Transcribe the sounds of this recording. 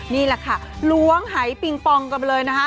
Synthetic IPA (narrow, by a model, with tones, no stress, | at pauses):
niː˥˩la˨˩kʰa˥˩ | lu˦˥əŋɦa˩˦jpi˧ŋpɔ˧ŋka˧mlɤː˧jna˦˥kʰa˦˥